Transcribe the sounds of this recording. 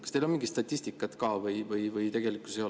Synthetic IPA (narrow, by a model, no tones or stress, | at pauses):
kɑst̪elonmiŋɡ̥it̪st̪ɑt̪ʲˑːist̪ikːˑɑt̪kɑːvɯjvɯjvɯjt̪e̞ɡ̥e̞likusejo